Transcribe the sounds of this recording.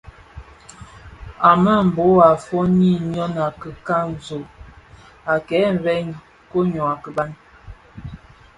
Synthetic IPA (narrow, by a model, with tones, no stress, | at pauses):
a˨mə˦m̩˨bo˨˦a˨fɔ˦ni˦˨ɲɔ˦na˨kə˨ka˦n˨zo˨ | a˨kɛ˨˦m̩˨vɛ˦ɲ | ko˦ɲɔ˨a˨kə˨ba˦n